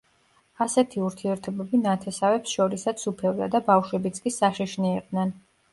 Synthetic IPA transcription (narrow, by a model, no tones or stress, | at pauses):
asɛt̪ʰiuɾt̪ʰiɛɾt̪ʰɔbɛbinat̪ʰɛsavɛpsʃɔɾisat̪sʰupʰɛld̪a̰d̪abafʃwɛbit̪sʰkʼisaʃiʃniːq̚ʼd̪nɛn